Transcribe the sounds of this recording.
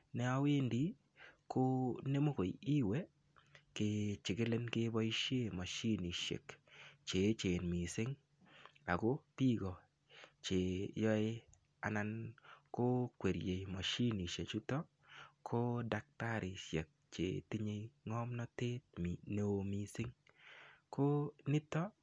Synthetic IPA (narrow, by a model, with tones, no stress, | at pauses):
nɛ˦a˦we˦ndi˦ | ko˦ne˦mo˦ko˨ji˦we˦ | ke˨t͡ʃɪ˨kɪ˦le˦nkɪ˦bɔ˦i˦ʃje˦˨ma˨ʃi˦ni˨ʃḛ˨kt͡ʃe˨˦t͡ʃe˨nmi˨sɪ˦ŋ | a˨ɡo˦ti˦ɡɔ˨ | t͡ʃe˨jɔ˦ɪ˦ | a̰˨na˦nko˦kwe˨ɾje˨jma˨ʃi˦ni˨ʃe˨t͡ʃu˦tɔ˦ | kʰo˦da˨k̚ta˦ɾɪ˨ʃjḛ˨k̚t͡ʃḛ˨ti˦ɲe˦jŋɔ˦mnɔ˦te˦t̚mno˨mi˨sɪ˦ŋ | ko˦nɪ˦tɔ˦